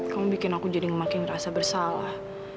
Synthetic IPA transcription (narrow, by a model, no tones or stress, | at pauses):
kamubikɪnakud͡ʒadiŋəmakɪnrasabərsalah